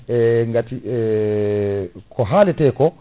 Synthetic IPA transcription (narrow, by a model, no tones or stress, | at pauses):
ɛŋɡatiɛ | kʰɔɦalɛtɛkɔ